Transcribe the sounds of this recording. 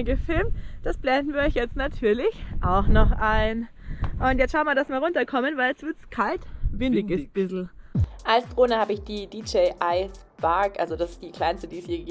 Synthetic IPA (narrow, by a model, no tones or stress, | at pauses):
ɡəfɪlmtd̥asb̥lɛndn̩viːɐɔçjɛt͡stnatʰyːɐlɪçʔaʊxnɔχʔaɪn | ʔʊntjɛt͡stʃaʊnmaɐdasmiːɐʁʊntɐkʰɔmənvaɪljɛstv̥ɪɐtskʰaltvɪndɪɡəb̥ɪzl̩ʔalsd̥ʁoːnəhaːbəɪçd̥iːdiːd͡ʒeɪʔaɪs | b̥aɐkʔalzodasɪ̥sd̥iːkʰl̥aɪnstədiːshiːɐ